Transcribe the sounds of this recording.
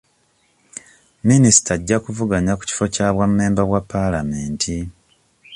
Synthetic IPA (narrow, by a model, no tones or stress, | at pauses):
minisi̥taɟːakuvuɡaɲaku̥ci̥fo̞caːβwamːeːmbaβwapːalameːntʰi